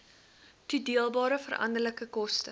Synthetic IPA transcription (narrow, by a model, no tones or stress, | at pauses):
tudiəlˠbɑːɾəfərʔɐ̰ndərləkəkɔstə